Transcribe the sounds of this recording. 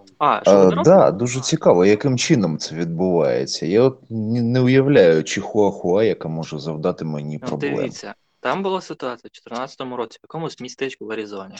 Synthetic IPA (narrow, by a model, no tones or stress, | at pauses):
ɑd̪ɑd̪uʒɛt͡sʲikɑʋɔjɐkɪmt͡ʃɪnɔmt̪sɛʋʲid̪̚bʊʋɑ̰jḛt͡sʲːɐjaɔt̪nʲnɛʊjɐwlʲajʊt͡ʃɪxʊaxʊɑjɐkamɔʒɛzɐwd̪ɑt̪ɪmɛnʲipɾɔbd̪lˠɛ̰mt͡sʲːɐ | t̪ɑmbʊlˠasɪt̪ʊɑt͡sʲijɐt͡ʃɔ̥t̪ɪrnat͡sʲːɐ̥t̪ɔmʊɾɔt͡sʲi̥jɐkɔmʊsʲmʲist̪ɛt͡ʃʲkʊʋɐɾʲɪzɔnʲɪ